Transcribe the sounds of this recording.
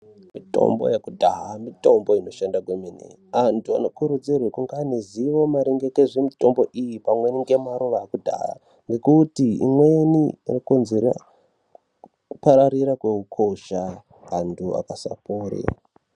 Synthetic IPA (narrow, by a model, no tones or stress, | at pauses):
mito̰mbo̞̰jekudʱaɦamito̞mbo̞ino̞ʃandakweminḛ | antʰua̰no̞kuɾud͡zirwekuŋɡaniziʋo̞maɾeŋɡe̞keʐemito̞mbo̞ʔijipamwe̞niŋɡe̞maɾuʋaːkudʱa̰ɦa̰ | ŋɡe̞kutiḭmwe̞ninokonzeɾa̰ | upaɾaɾiɾakwe̞ukʰo̞ʃa | ɦandʰua̰kasa̰poːɾḭ